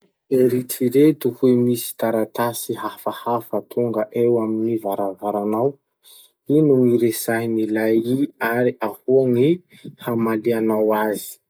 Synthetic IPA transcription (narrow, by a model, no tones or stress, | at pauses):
eɾitiɾet̪uhuemisi̥t̪aɾat̪asiɦafahafət̪ʰuŋɡəʔewaminivaɾavaɾanaw | inuŋiɾesajnilajiaɾiahuaŋi | hamalianawazi̥